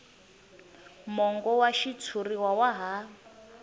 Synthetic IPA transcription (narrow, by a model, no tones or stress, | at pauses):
mɔŋɡɔwaʃit͡sʰuriwawaɦa